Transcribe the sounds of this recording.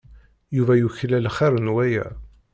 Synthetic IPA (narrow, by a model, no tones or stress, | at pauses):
juvæjuçlælχaɾˤənwæjæ̰